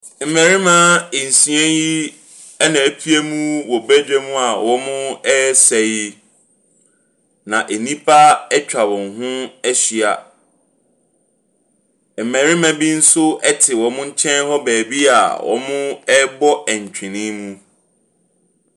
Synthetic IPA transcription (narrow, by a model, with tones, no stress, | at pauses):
m̩˨mæ̃˨ɾi˦mã˦e˨n̩˨sĩ˨˦ɛ̃˦ji˦ | ɛ˦nã˨æ˨pʰi˦e˦mũ˦wɔ˨bæ˦d͡ʑᶣɛ˦mũ˦a˨wɔ˦mʊ̃˦ɛ˦sɛ˨ji˦ | nã˨ʔe˨nĩ˦pʰa˦ɛ˦t͡ɕᶣa˨bɔ̃˨ŋ˨hʊ̃˦ɛ˦ɕi˨a˨ | m̩˨mæ̃˨ɾi˦mã˨bi˦n̩˦sʊ˦ɛ˦tʰɪ˨wɔ̃˨mʊ̃˦ɲ̩˦t͡ɕʰɛ̃˦n˦hɔ˦bæː˨bi˦a̰˨wʔɔ̰˨mʊ̃˦ɛ˦bɔ˦ɛ˨ɲ˨t͡ɕᶣʰɪ̃˨nĩ˦mũ˦